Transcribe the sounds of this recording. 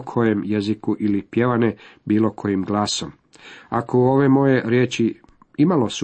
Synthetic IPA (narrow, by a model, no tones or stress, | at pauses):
kʰo̞jemjezikuʔilipje̞ʋanebiːlˠo̞kʰo̞jimɡlˠaːsom | akouo̞ʋe̞mo̞je̞ɾjeːt͡ɕi | imalo̞su